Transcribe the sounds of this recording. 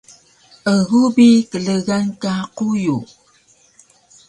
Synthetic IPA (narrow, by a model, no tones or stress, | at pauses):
əɣubikəɮəɣankaquju